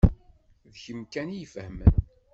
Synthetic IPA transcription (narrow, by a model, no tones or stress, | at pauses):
ðçəmkænijfəhmə̰n